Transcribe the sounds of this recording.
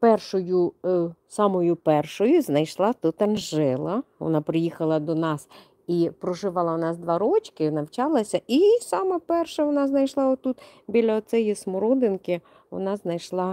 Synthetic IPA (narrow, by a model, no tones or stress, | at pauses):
pɛrʃɔjʊsɑmɔjʊpɛrʃɔjʊznɐjʃlˠɑt̪ut̪ɐnʒɪlˠɐʋɔ̰nɑpɾɪjixɐlˠɐd̪ɔnɑs | ipɾɔʒɪʋɑlˠɐnɑsd̪ʋɑɾɔt͡ʃkɪnɐwt͡ʃɑlˠɐsʲɐʔisɑmɛpɛrʃɛʋɔnɑznɐjʃlˠɑɔt̪ːut̪ | bʲilʲɐɔt̪sɛjismɔɾɔd̪ɪnkɪ | ʋɔ̰nɑznɐjʃlˠɑ